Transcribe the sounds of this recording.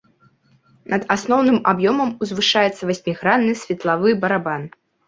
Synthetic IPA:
nɐd̪asnɔwnɨmabjɔmɐmuzvɨʂajɛt̪sːɐvasʲmʲiɣɾanːɨsʲvʲɛt̪lˠavɨbɐɾaban

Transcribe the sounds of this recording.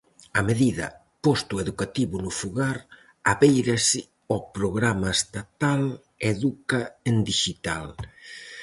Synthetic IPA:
ameðiðɐ̰ | pɔst̪ueðukat̪iβunʊfuɣaɾ | aβejɾasɪ | ɔpɾoɣɾamɐest̪at̪al | eðukaend̪iʃit̪a̰l

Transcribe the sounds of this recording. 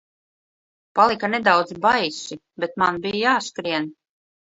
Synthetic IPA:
palˠikanɛd̪awd̪zbajsi | bet̪manbijajaːskɾiɛn

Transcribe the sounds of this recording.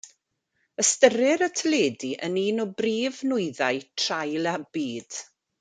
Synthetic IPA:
əstəɾɪɾətʰəleːdiʔəniːnɔbriːvnʊɨðaɨtʰr̥ajlˠabiːd̥

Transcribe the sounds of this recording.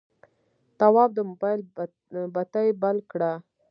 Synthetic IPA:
t̪awɑb̚d̪əmʊbɑjl | bat̪ajbalkɽa

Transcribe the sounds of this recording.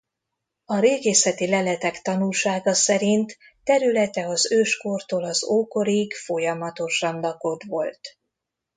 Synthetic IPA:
ɒɾeːɡeːsɛt̪ilɛlɛt̪ɛkt̪ɒnulʃaːɡɒsɛɾint̪ː | ɛɾylɛt̪ɛɒzøːʃko̞rt̪oːlɒzoːko̞ɾiɡfo̞jɒmɒt̪o̞ʃɒnlɒko̞t̪ʋo̞lt̪

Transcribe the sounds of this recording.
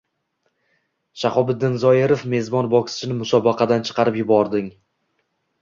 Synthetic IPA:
ʃaχɒbɪd̪ːɪnzɒjɪɾofme̞zbɒnbɒkʲsɪ̥t͡ʃʰɪnɪmʊsɒbɑqʰɑd̪ant͡ʃʰɨ̥qʰɑɾɪpjʊbɒɾd̪ɪŋ

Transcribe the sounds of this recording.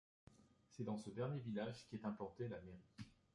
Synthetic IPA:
sɛd̪ɑ̃səd̪ɛʁnjevilaʒkʲiɛt̪ɛ̃plɑ̃t̪ealameʁi

